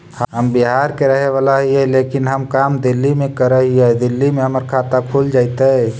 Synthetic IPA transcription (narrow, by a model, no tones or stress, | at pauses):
həɦəmbiɦaɾkeɾəɦeβalaɦiɛlekinɦəmkamd̪ilːimekəɾəɦiɛd̪ilːimeɦəməɾkʰat̪akʰuld͡ʒaɪt̪ə